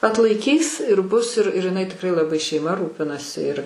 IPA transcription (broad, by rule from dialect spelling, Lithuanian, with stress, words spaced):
ɐtlˠɐɪˈkʲiːs ɪr bʊs ɪr ɪr ɪˈnɐɪ tʲɪkˈrɐɪ lˠɐˈbɐɪ ʃʲɛɪˈmɐ ˈruːpʲɪnɐsʲɪ ɪr